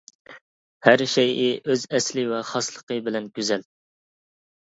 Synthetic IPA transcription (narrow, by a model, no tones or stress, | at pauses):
hæɾʃɛjɪʔøzɛslɪvɛχɑslˠə̥qəbɪlɛnɡʲyzɛl